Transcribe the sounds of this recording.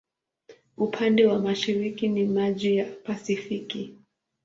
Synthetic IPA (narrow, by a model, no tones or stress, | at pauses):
upʰandɛwamaʃiɾikinimaʄijapasifiki